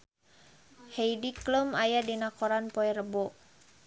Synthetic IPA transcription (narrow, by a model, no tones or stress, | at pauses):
hejdikləmajadinakɔɾanpɔɛɾəbɔ